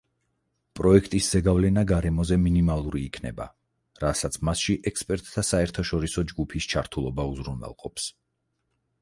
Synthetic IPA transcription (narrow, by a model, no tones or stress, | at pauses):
pʼɾɔɛkʰt̪ʼisz̥ɛɡavlɛnaɡaɾɛmɔzɛminimalˠuɾiːkʰnɛ̰ba̰ | ɾasat̪sʰmasʃiʔɛkspʼɛɾt̪ʼːʰasaɛɾt̪ʰaʃɔɾisɔd͡ʒɡupʰist͡ʃʰaɾt̪ʰulˠɔbauzɾunwɛ̰lˠqʼɔps